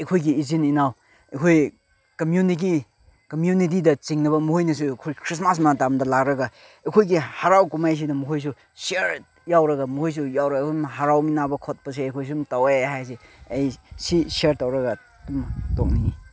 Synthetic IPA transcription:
ejkʰojɡiːzininaw | ejkʰoj | kɐmjunik̬i | kɐmjunit̬idɐt͡ʃiŋnɐβɐmuhojnɐs̬ukʰojkʰɾismas̬matamdɐlak̚ɾɐɡɐ | ejkʰojɡihaɾawkumajs̬inɐmuɦojs̬u | seɾ | jawɾɐɡɐmuhojs̬ujawɾɐɡumɦaɾawminabɐkʰot̚pɐs̬eejkʰojs̬umtawehajs̬eejsiseɾtawɾɐɡa | dumtoŋniŋi

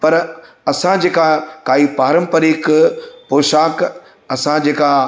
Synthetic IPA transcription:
pɐɾ | ɐsãd͡ʑeːkakaːipaːɾə̃mpəɾiːkpoːʃaːk | ɐsãd͡ʑeːka

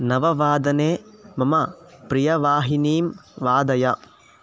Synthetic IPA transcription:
nɐʋɐʋaːd̪ɐneːmɐmɐpɾijɐʋaːɦiniːmʋaːd̪ɐjɐ

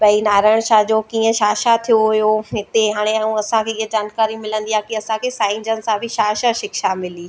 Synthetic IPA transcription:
pɐinaːɾaːɪɽ̃ʃaːɦd͡ʑokiːə̃ʃaːʃat̪ʰijoɦʊjoɦɪt̪eɦaːɽ̃eaũɐsãkʰeiɦəd͡ʑaːnkaːɾimɪlə̃nd̪iakiɐsãkʰeːsãːɪ̃nd͡ʑənɪ̆sãbʱɪʃaːʃaʃɪkʃamɪliː

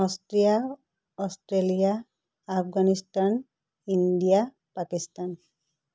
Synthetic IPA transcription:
ɔstɾija | ɔstɾelijaː | pʰɡanistan | indija | pakistan

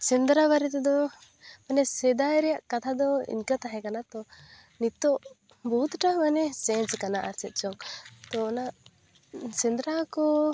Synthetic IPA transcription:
t͡ʃɛnd̪ɾaβaɾɛt̪ɛd̪ɔ | manɛsɛd̪ajɾɛjaʔkat̪ʰad̪ɔḭɲkat̪aɦɛkanat̪ɔ | nit̪ɔʔ | bɔɦut̪ʈaɦmanɛsɛ̃nt͡ʃkanaʔaɾsɛt̪̚ˀt͡ʃɔŋt̪ɔːnaʔ | sɛnd̪ɾakɔ

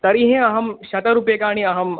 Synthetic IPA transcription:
t̪ɐɾiɦẽɐɦɐmʃɐt̪ɐɾupjekaːɽ̃iɐɦɐm

